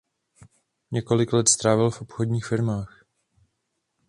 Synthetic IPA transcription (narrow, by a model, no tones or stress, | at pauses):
ɲɛko̞lɪklɛt̪st̪ɾaːvɪlfʔopxodɲiːxfɪɾmaːx